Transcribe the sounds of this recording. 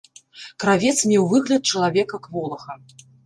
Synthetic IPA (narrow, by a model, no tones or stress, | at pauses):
kɾavʲɛt̪smʲɛwvɨɣlʲɐt̪̚t͡ʂɐlˠavʲɛkɐkvɔlˠɐxɐ